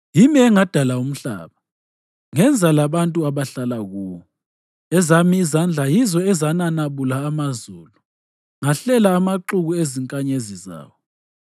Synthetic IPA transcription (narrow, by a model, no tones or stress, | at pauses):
jimiɛŋad̥ʱalaum̩ɬa̰ːβa | ŋɛnd͡zʱalaβantʼuaβaɬalaɣuːwɔ | ɛzamiːzand͡ɮʱajizɔɛzananaβulaːmazuːlu | ŋaɬɛlaːmaǃuɣueziŋkʼaɲeziza̰ːwɔ